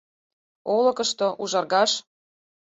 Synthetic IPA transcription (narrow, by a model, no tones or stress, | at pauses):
olɤ̆kə̆ʃt̪oʔuʒɑrɣɑʃ